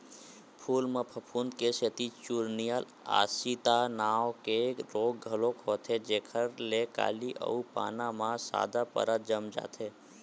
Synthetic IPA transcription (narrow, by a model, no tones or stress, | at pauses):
pʰuːlməpʰəpʰund̪keset̪it͡ʃuɾnijal | a̰ːsit̪anaːwkeɾoːɡ̚ɡʱɐlokɦoːt̪ʰed͡ʒeːkʰəɾleka̰ːliʔə̰upa̰ːnãmãsa̰ːd̪apə̰ɾad͡ʒəmd͡ʒa̰ːt̪ʰeː